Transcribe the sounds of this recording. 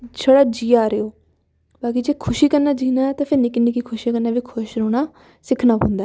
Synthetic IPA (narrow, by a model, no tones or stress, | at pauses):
t͡ʃʰəɽaːd͡ʒiːaːɾeːoː | baːkiːd͡ʒeːkʰʊʃiːkəɾnaːd͡ʒiːnaːɛt̪ãːpʰɪɾniːkɪniːkikʰʊʃikəɾnaːʋiːkʰʊʃɾoːñaː | sɪkʰnaːpõnd̪aː